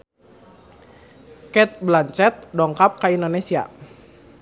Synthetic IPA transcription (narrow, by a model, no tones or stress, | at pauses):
kɛt̪̚blaɲt͡ʃɛt̪̚dɔŋkap̚kaindonesia̰